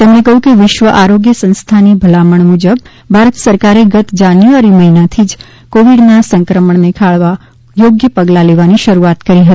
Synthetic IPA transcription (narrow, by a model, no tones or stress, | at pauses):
t̪emnekəɦjũkeʋɪʃʋəʔaɾoɡjəsə̃nst̪ʰanibʱəlaməɳmud͡ʒəb | bʱaɾət̪səɾkaɾeɡət̪d͡ʒanjuʋaɾiməɦinat̪ʰid͡ʒ | koʋiɽnasəŋkɾəməɳnekʰaɭʋa | joɡjəpəɡlaleʋaniʃəɾuat̪kəɾiɦət̪ii̥